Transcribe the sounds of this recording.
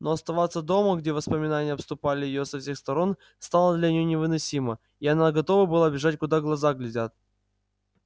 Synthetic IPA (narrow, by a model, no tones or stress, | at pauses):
noɐst̪ɐvat̪sːəd̪o̞məɡdʲevəspəmʲɪnanʲɪjəɐpst̪ʊpalʲɪjɪjosɐfsʲe̞xst̪ɐɾo̞n | st̪alˠəd̪lʲɐnʲɪjonʲɪvɨnɐsʲimə | iɐnaɡɐt̪o̞vəbɨlˠabʲɪʐatʲkʊd̪aɡlˠɐzaɡlʲɪdʲat̪̚